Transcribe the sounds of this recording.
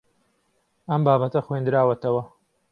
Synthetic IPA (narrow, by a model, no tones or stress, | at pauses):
ɐmbaːbɐt̪ɐxwend̪ɨɾaːwɐt̪ʰɐwɐ